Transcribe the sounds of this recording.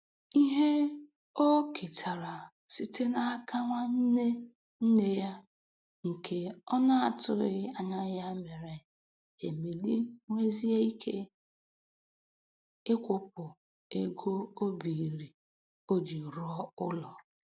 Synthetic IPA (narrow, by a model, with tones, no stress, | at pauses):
i˦ɦe˦ | o˦kʰe˨tʰa˨ɾa˨ | si˦te˦na˨a˦ka˦ŋʷa˦n̩˦ne˦ | n̩˦ne˦ja˦ | ŋ̩˨kʰe˦ɔ˦na˦a˨tʊ˦ɪ˦a˨ɲa˦ja˦me˨ɾe˨ | e˨me˨li˦ŋʷe˦zi˦e˦i˦kʰe˦ | ɪ˦kʷʊ˦p̚ʊ˨ | e˦ɡo˦o˦bi˨ɾi˨ | o˦d͡ʒi˨ɾɔ˦ʊ˦lɔ˨